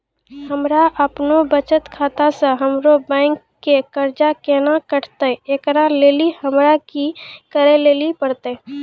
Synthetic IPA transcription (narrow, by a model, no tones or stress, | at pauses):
həmɾaʔəpnobət͡ʃət̪kʰaːt̪asə̃ɦəmɾobɛ̃ɪŋkːekəɾd͡ʒakenakəʈʰt̪eeːkɾaleːlihəmɾakikəɾeleːlipəɾt̪e